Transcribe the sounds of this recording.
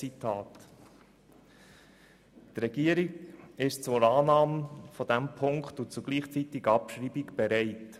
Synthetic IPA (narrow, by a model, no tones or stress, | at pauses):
it̪ʰɑːt | t̪ɾɛɡiəɾiɡɪʃt͡sʊɾɑːnɑːməfɔd̥̪æmpʰʊŋktʊt͡sʊɡ̥liːχt͡sit̪iɡəɑpʃɾiːbiɡb̥ɛɾɛɪt